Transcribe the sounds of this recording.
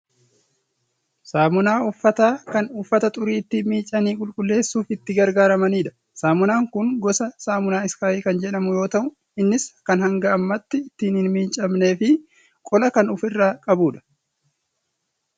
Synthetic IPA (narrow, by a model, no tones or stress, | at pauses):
saːmʊnaːʊfːɐt̪aːkɐnʊfːɐt̪ɐt̪ʼʊɾiːɪt̪ːimiːt͡ʃʼːɐniːkʼʊlkʼʊlːe̞ːsːuːfɪt̪ːɪɡɐɾɡaːɾɐmɐniːᶑɐ̥ | saːmʊnaːŋkʊŋɡɔsɐsaːmʊnaːɪskaːjiːkɐnd͡ʒɛᶑɐmʊjo̞ːt̪ɐʔʊ | ɪnːɪskːɐnhɐŋɡɐːmːɐt̪ːɪːt̪ːiːnhɪnmiːnt͡ʃʼɐmne̞ːfɪ | kʼɔlɐkɐnʊfɪrːaːkʼɐbuːᶑɐ̥